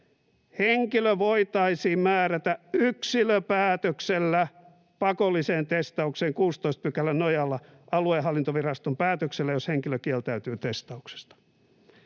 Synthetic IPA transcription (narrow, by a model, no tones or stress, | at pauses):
heŋkiløʋoit̪ɑisiːmæːræt̪æyksiløpæːt̪økselːæ | pɑkolːiseːnt̪est̪ɑukseːŋkuːst̪oist̪̚pykælːænojɑlːɑ | ʔɑlueɦɑlːint̪oʋirɑst̪ompæːt̪økselːæjosheŋkiløkielt̪æyt̪yːt̪est̪ɑukse̥st̪ɑ̥